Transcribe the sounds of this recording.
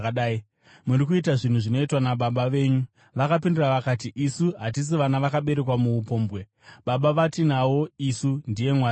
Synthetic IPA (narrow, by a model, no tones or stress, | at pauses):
ɗaːi | muɾikuitaʐin̤uʐino̞itwanaɓaɓaʋe̞ːɲu | ʋakapinduraʋakat̬iʔisuɦat̬is̬iʋanaʋakaɓe̞ɾe̞kwamuːpo̞ːmbɣe̞ | ɓaɓaʋatinawo̞isundije̞mwaː